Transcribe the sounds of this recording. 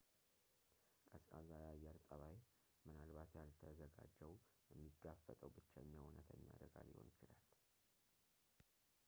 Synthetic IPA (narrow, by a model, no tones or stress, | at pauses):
kʼəskʼazajajːɛɾt̪ʼəβaj | mɨnalbat̪jalt̪ʰəzəɡa̰d͡ʒːəwjɛmːiɡafət̪ʼəwbɨt͡ʃːɛɲːawʊnət̪ʰəɲːa̰d̪əɡa̰lɪ̰honɪt͡ʃɪlal